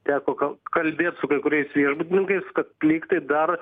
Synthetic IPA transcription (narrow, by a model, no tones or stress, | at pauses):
t̪ʲæːkoːkɐkɐlʲbʲeːt̪sʊkɐɪkʊɾʲɛɪsʋʲiɛʒbut̪ʲɪnʲɪŋkɐɪskɐt̪̚plʲiːkt̪ɐɪd̪ɐr